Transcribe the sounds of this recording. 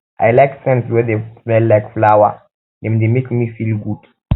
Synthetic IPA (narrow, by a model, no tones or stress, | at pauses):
ʔa̰jlajksɛ̃nswɛd̪eɛllːajkflawa̰ | nɛ̃nd̪emekmifilɡud̥